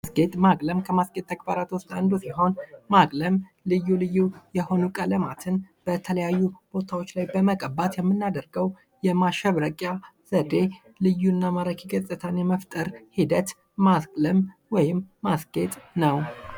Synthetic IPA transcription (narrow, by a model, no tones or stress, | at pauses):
sɡet̪ʼmakʼləmkʰəmasɡe̞t̪ːʰəɡ̚baɾat̪wʊst̪ʼand̪usiɦo̞nmakʼləm | lɨjːulɨjːujɛho̞nukʼələmat̪ʰɨnb̥ət̪ʰələjajːub̥o̞t̪ʰawo̞t͡ʃːlajbəməkʼəbat̪jɛmːɨnːad̪əɾɡəw | jɛmaʃɛβɾəkʼjaz̥əd̪e̞ | lɨjːunːamaɾəkiɡəzʼɨt̪ʰanjɛməft̪ʼəɾhid̪ət̪ː | askʼləmwɔjɪmːasɡ̥e̞t̪ʼnəw